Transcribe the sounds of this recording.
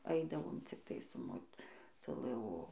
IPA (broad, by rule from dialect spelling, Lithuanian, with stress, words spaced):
ˈɐɪdɐʋoːm t͡sʲɪkˈtɐɪ sʊ moːtʊˈlˠɨ oː